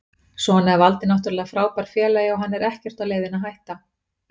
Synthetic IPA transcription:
sɔanaɛvalt̪ɪnaht̪ʏɾlɛːɣafɾaːwpaɾ̥fjɛːlajɪɔɦanːɛɾɛhcɛr̥t̪aðleːjðɪnaɦajht̪a

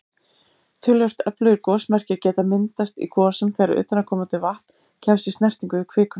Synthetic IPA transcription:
t̪ʰʏljœr̥t̪œplœɣiɾkɔːsmɛr̥cɪacɛːt̪amɪnt̪ast̪ḭkʰɔːsʏmθɛːɾa̰ɾʏ̰ːt̪anakʰɔːmat̪ɪvaht̪ | cʰɛmst̪ist̪nɛr̥t̪iŋkʏɪkʰvɪːkʏn

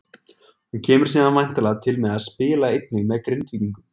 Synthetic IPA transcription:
huncʰɛːmʏɾ̥s̬iːðanvajn̥t̪alaɣt̪ʰɪlmɛðaðspɪːlaejt̪nɪɣmɛðkɾent̪viiŋkʏm

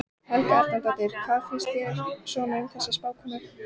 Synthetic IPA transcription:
hɛlkaɛɾ̥t̪ant̪at̪ɪɾ̥kʰvaːðfɪnst̪jɛsɔːnɪʏmθɛsːɪspaːwkʰɔmʏ

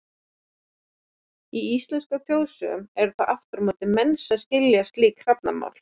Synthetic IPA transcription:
iist̪lɛnskʏθjoːwsʏ̰mɛɾʏθaʔaft̪ʏɾmɔːt̪ɪmɛnsaðscɪljast̪liːkr̥ap̚na̰ma̰ːwl

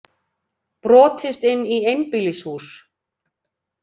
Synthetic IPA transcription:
pɾɔːt̪ɪst̪ɪnːiejnpɪlishuːs

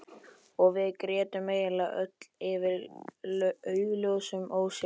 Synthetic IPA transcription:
ɔɣvɪðkɾɛːt̪ʏmːeːjɪlaʔœ̰t̪l̥ɪvɪɾ | œːɥloɣsʏmoːws

